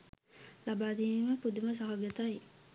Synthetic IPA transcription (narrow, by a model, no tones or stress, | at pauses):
labaːd̪iːniməpud̪uməs̬aɦaɡət̪aj